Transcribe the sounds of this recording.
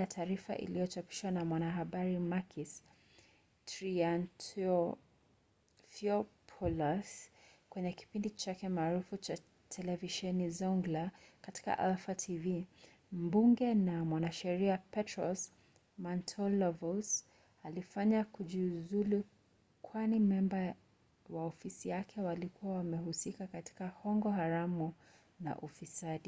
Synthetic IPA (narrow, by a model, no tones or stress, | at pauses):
atʰaːɾifa̰ʔḭlijɔt͡ʃapi̥ʃwanamwanaɦaɓaɾimakʰis | tɾiantɔ | fiɔpʰɔlaskwɛɲɛki̥pindit͡ʃakɛmaːɾufut͡ʃa | tʰɛlɛviʃɛnizɔŋɡlakati̥ka̰ʔɛlfatʰivi | m̩buŋɡɛnamwanaʃɛɾiapɛtɹɔs | mantʰɔlɔvɔs | alifaɲakuʄizulu | kʰwanimɛmba | waɔfisijakʰɛwalikuawamɛhusikakati̥kahɔŋɡɔhaɾamu | na̰ʔufisaɗi